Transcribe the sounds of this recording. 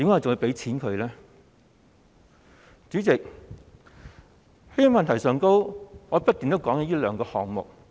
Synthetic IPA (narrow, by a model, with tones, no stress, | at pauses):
t̪i˨˧mkaː˥˨˩t͡sʊ˨ji˨˧pe˨˥jt͡sʰiː˨˥nkʰɵ˨˧lɛː˥ | t͡ʃyː˨˥t͡sɪ˨k̚ | he˥jɐ˨˥mɐ˨nt̪ʰɐ˨˩jsœː˨ŋko˥wŋɔː˨˧pɐ˥t̚t̪iː˨nt̪o˥wkɔː˨˥ŋɐ˨˧˥jiː˥lœː˨˥ŋkɔː˧hɔː˨˩ŋmʊ̰˨k̚